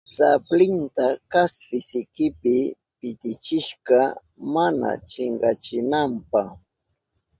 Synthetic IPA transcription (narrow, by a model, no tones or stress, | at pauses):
t͡saplɪnt̪akaspɪsɪkɪpɪ | pɪt̪ɪt͡ʃɪʃɢɑ | mana̰t͡ʃɪɴɢɑt͡ʃɪnampɑχ